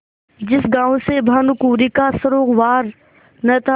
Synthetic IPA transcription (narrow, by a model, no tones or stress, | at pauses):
d͡ʒɪsɡãːõsebʱaːnʊkuːɾikasɐɾoːɡʋaːɾ | nɐt̪a